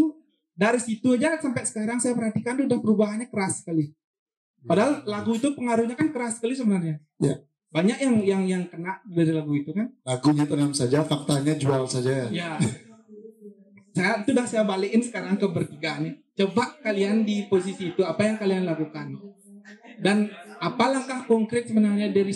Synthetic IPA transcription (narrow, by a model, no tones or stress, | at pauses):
daɾisit̪ud͡ʒasampasə̥kaɾaŋsajapərhat̪ikand̪ʊhdahpəɾubaɦanɲakəɾasːə̥kali | padaɦallaɡuit̪upəŋaɾuhɲakankəɾasəkalis̬əbənərɲa | ja̰ | baɲakjaŋjaŋjaŋkənaʔ̚diɡaɾilaɡuit̪ukanlaɡuɲat̪ənamsad͡ʒafak̚t̪aɲad͡ʒualsad͡ʒajaja | sajait̪udahsajabalekɪnsə̥kaɾaŋkəbərt̪iɡanɪht͡ʃəbak̚kaliandiposisiːt̪uapajaŋkalianlakukan | danapalaŋkahkɔŋkɾɪt̪̚səbənarɲadaɾi